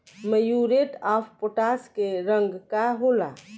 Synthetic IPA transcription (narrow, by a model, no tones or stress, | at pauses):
məjuɾeʈapʰpoʈaskeɾəŋɡkaɦola